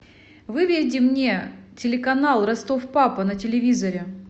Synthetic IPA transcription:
vɨvʲɪɾʲdʲɪmnʲe̞tʲɪlʲɪkɐnalˠrɐst̪ofpapənətʲɪlʲɪvʲizɐɾʲɪ

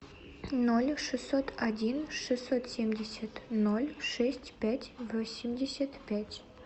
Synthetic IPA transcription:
nolʲʂɨsːot̪ʰadʲinʂɨsːot̪sʲemʲdʲesʲət̪nolʲʂɛsʲtʲpʲætʲvosʲimʲdʲesʲət̪pʲætʲ

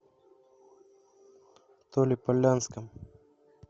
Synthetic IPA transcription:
t̪oːlipɐlaːnskam

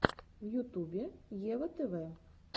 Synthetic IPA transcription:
wjut̪ubʲɛjɛvɛt̪ɛvɛ

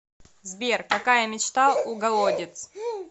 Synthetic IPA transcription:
zbʲerkɐkajəmʲɪt͡ɕt̪aʊɡɐlˠodʲɪt̪s

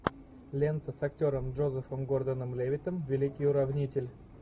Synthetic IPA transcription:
lʲɛnt̪əsɐktʲoɾəmd͡ʒozəfəmɡoɾd̪ənəmlʲevʲɪt̪əmvʲɪlʲikʲɪjʊɾɐvnʲit̪ʲɪlʲ

